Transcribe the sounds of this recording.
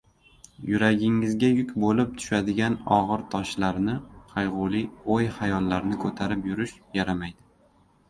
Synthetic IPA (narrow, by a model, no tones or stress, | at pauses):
jʊɾaɡʲɪŋːɪzɡʲajʊkʲbolɪp̚t̪ʰʊ̥ʃad̪ɪɡʲanɒʁɨɾt̪ʰɒʃlaɾnɪqʰajʁʊlˠiojhajɒlːaɾnɪkʰɵt̪ʰaɾɪpjʊɾɪʃjaɾamajd̪ɪ